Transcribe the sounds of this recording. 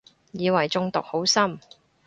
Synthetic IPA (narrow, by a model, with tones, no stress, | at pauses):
jiː˨˧wɐ˨˩jt͡sʊ˧ŋt̪ʊ˨k̚ho˨˥wsɐ˥m